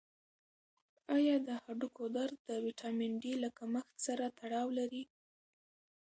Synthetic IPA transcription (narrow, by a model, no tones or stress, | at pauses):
ɑjɑd̪əhaɖukod̪aɾd̪əwiʈɑmɪɳɖilakaməxt̪saɾat̪aɽɑwlaɾi